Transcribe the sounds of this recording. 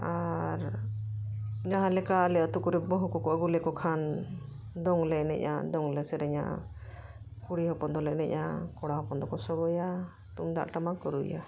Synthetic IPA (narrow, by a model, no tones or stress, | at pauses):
aɾ | ɲaɦalɛkalɛət̪ukuɾɛbɔɦukɔkɔəɡulɛkɔkʰan | d̪ɔŋlɛnɛ̰ʔʔa̰d̪ɔŋlɛsɛɾɛɲa̰ | kuɽiɦɔpɔnd̪ɔlɛnɛ̰ʔa̰kɔɽaɦɔpɔnd̪ɔkɔsɔɡɔja | t̪umd̪a̰ʔʈamakɔɾṵja̰